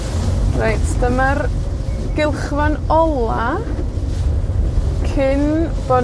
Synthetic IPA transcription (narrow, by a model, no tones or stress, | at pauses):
rejtʰd̥əmar | ɡ̥ɪlˠχvanɔlˠa | kʰɪnb̥ɔ